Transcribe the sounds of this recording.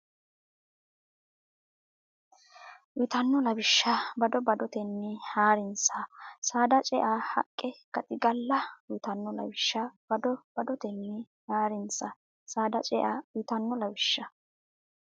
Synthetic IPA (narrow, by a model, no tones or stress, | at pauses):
wɪt̪ɐnːɔlɐbɪʃːɐbɐd̪ɔbɐd̪ɔt̪ɛnːɛhaːɾɪnsɐsaːd̪ɐt͡ʃʼɛʔaːhɐ̰kʼːɛkɐt̪ʼɪɡɐlːɐwɪt̪ɐnːɔlɐ̰bɪʃːɐb̥ɐd̪ɔb̥ɐd̪ɔt̪ɛnːɛ | haːɾɪnsɐ | saːd̪ɐt͡ʃʼɛʔaːwɪt̪ɐnːɔlɐbɪʃːɐ